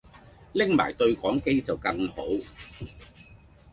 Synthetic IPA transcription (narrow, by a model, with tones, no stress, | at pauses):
lɪ˥ŋma̰ː˨˩jt̪ɵ˧ɥkɔː˨˥ŋke˥jt͡sɐ˨˩wkɐ˧ŋho˨˥w